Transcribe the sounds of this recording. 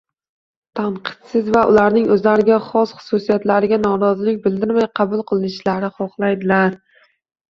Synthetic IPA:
t̪ʰaɴqʰɨ̥t̪sɪzvaʔʊlaɾnɪŋɵzlaɾɪɡʲaχɒsχʊ̥susijat̪laɾɪɡʲanɒɾɒzɪlɪk̚ʲbɪld̪ɪɾmajqʰɑbʊlˠqʰɨlˠɪnɪʃlaɾɪχɒχlˠajd̪ɪlaɾ

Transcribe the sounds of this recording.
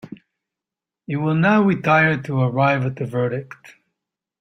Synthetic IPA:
jɨwɪlˠnaʊɹitʰaɪə˞d̚tʰəə˞aɪvət̪̚ðɨvɜ˞ɾɪkt

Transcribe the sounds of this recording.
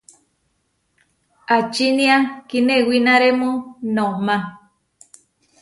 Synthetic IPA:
at͡ʃinĩakinewinaɾemũnomã

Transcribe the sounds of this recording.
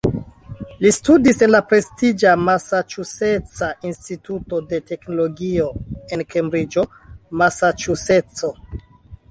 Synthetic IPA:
listudise̞nlapɾe̞stid͡ʒamasat͡ʃuse̞t͡saʔinstituto̞de̞te̞kno̞lo̞ɡio̞e̞nkembɾid͡ʒo̞ | masat͡ʃuse̞t͡so̞

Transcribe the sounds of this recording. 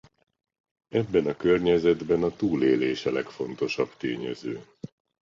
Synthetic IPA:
ɛbːɛnɒkørɲɛzɛd̪bɛnɒt̪uːleːleːʃɛlɛkfo̞nt̪o̞ʃɒbt̪eːɲɛ̰zøː

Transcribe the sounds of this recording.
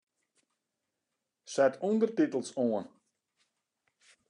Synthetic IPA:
sɛtʰundərtitəlˠsoən

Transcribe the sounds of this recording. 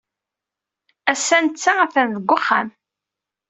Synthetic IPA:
æsːænt͡sːaæθænðəɡʷːʊχːa̰m

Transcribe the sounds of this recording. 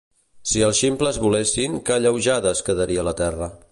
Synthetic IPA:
siəlˠʃimpləzβulesiŋkəʎəwʒaðəskəðəɾiələt̪ɛrə

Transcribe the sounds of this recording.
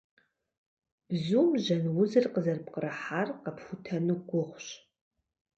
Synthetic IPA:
b̥zuːmʒɐnwʊzɨrqəzɐrpqəɾɐħaːrqɐpxʷʊtʰɐnɨɡʷʊχʷɕ

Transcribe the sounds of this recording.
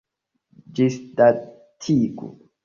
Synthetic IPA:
d͡ʒisda | tʰiɡṵ

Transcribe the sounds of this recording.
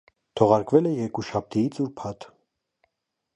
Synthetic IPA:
t̪ʰɔʁɑɾkvɛlɛjɛɾkuʃɑp̚t̪ʰijit͡sʰuɾpʰɑt̪

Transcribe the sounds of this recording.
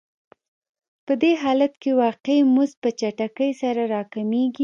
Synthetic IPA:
pəd̪eɦɑlat̪kewɑqemuzpət͡ʃaʈakəjsaɾaɾɑkameɡi

